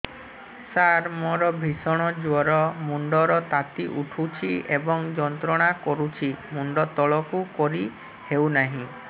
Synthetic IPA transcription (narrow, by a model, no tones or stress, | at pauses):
saɾmoɾɔbʱisɔɽ̃ɔd͡ʒwɔɾɔmuɳɖɔɾɔt̪at̪iʔuʈʰut͡ʃʰiebɔŋd͡ʒɔnt̪ɾɔɽ̃akɔɾut͡ʃʰimuɳɖɔt̪ɔɭɔkukɔɾi | hewnaɦĩ